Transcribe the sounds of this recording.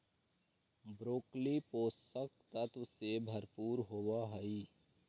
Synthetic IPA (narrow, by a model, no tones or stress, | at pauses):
bɾoːklipoːst̪ək̚t̪ət̪wəsebʱəɾpuːɾɦoːwaɦəi